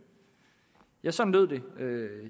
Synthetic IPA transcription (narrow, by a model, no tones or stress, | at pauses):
jɑ̈ɪsɒ̽n̩løð̞̰ˠd̥e̝ø